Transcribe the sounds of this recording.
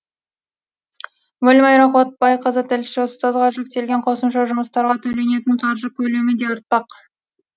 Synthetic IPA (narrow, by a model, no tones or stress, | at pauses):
wɵlmɑjɾɑχot̪̚bɑjqʰəzət̪ʰɪlʃɪʊst̪ɑzʁɑʒe̞k̚t̪e̞lɡʲeɴqʰo̞səmʃɑʒʊməst̪ɑɾʁɑt̪ʰɵle̞ne̞t̪ɪɴqʰɑɾʒəkʲʰɵle̞mɪd̪e̞ʊɾt̪̚pɑq